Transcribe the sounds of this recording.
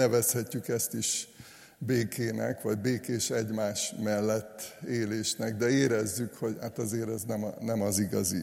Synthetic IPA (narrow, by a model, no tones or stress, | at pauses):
nɛvɛshɛcːykɛst̪iʃ | beːkʰeːnɛ̰kʋɒɟbeːkeːʃɛɟmaːʃmɛlːɛt̪ːeːleːʃnɛɡd̪ɛeːɾɛzːykho̞ɟhat̪ɒzeːɾɛznɛmɒnɛmɒziɡɒzḭ